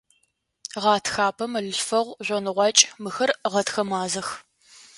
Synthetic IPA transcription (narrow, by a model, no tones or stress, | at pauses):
ʁɑːtʰxaːpʰɐmɐɮɨɬfɐʁʷʑʷɔnɨʁʷɑt͡ʃʼmɨxɐrʁɐtxɐmaːzɐx